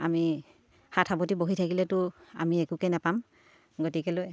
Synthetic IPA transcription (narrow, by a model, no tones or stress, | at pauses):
ami | hatʰabɔtiboɦitʰakilɛtʊa̰miɛkukɛnapam | ɡotikɛloj